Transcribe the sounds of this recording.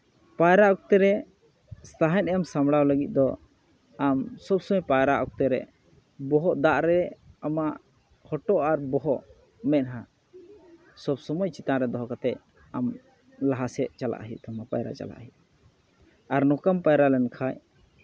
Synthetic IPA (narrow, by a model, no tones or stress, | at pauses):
pajɾaʔɔk̚t̪ɛɾɛ | st̪ʰaɦɛnɛmsamɽawləɡit̪̚d̪ɔ | amsɔbsɔmɔjpajɾaʔɔk̚t̪ɛɾɛ̰ | bɔɦɔʔd̪aʔɾɛamaʔ | hɔʈɔʔaɾbɔɦɔʔ | mɛʔ̪̚ɦã | sɔbsɔmɔjt͡ʃit̪aɾɛd̪ɔɦɔkat̪ɛ | am | laɦasɛʔt͡ʃala̰ʔɦḭʔt̪ʰɔmapajɾa̰t͡ʃa̰la̰ʔɦiʔ̚ | aɾnɔkampajɾalɛnkʰaj